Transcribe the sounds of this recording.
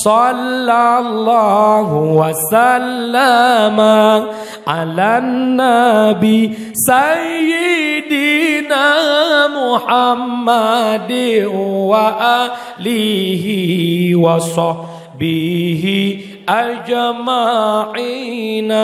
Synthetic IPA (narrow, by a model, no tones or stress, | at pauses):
sɔlːalːaɦuwasalːama | ʔalannːabi | sajɪdinamuħamːadɪnwaʔa | liɦiwasɔ | biɦi | ʔald͡ʒamaʕina